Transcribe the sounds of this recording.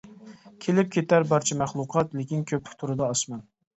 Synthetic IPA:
kʲʰelɪp̚kʲʰet̪ʰæɾbɑɾt͡ʃʰɛmæχlˠuqʰɑt̪lekʲinkʲʰøpʰɪ̥kʲt̪ʰuɾɨd̪ɑːsmɑn

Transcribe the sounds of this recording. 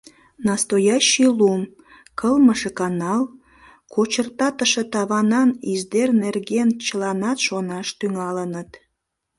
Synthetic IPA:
nɑst̪ojɑɕilum | kəlməʃekɑnɑl | kot͡ɕərt̪ɑt̪əʃet̪ɑβɑnɑnizd̪ernerɣent͡ɕəlɑnɑt̪ʃonɑʃt̪yŋɑlənət̪

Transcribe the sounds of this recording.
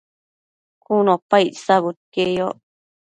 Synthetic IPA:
kunõpajsaβut̪̚kejo̰

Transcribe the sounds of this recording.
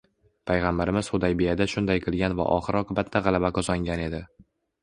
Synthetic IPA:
pʰajʁambaɾɪmɪz̥χʊd̪ajbijad̪aʃʊnd̪ajqʰɨlˠɡʲanva̰ʔɒ̰χɨɾɒqɨbat̪ʰːaʁɑlˠabakʰɒzɒŋɡʲane̞d̪ɪ

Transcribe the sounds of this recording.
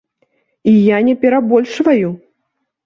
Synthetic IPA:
ijanʲɛpʲɛɾabɔlʲʂvaju

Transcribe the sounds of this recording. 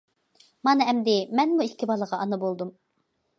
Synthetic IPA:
mɑnɨɛmd̪ɪmɛnmuikʲʰːibɑlˠəʁɑʔɑnɑbolˠd̪um

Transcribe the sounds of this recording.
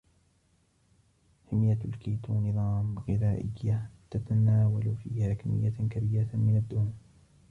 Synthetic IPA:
hɪmjalkiːt̪unɨðˤɑːmɣɪðaːʔɪjːat̪at̪anaːwalfḭːhaːkamɪ̰jːakabiːɾamɪnad̪ːʊ

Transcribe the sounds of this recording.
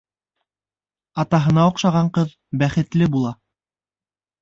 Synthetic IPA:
ɑt̪ɑɦɤ̆nɑuqʃɑʁɑɴqɤð | bæχɘ̆t̪lɘbulˠɑ

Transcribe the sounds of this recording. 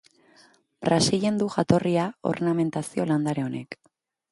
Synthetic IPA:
bɾasiʎe̞nd̪uʝat̪o̞riao̞̰rname̞nt̪asio̞land̪aɾeo̞ne̞̰k

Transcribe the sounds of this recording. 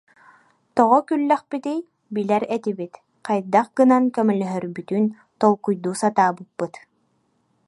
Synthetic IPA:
t̪ɔʁɔkylːœχpit̪ij | bilɛɾɛt̪ibit̪ | qajd̪aχ̚ɡɯnankɛmɛlœɦœɾbyt̪yn | t̪ɔlˠkujd̪uːsat̪aːbɯpːɯt̪

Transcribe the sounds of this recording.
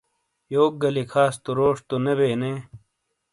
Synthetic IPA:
joːk̚ɡɐlikʰaːst̪uɾoːʂt̪unebeːneː

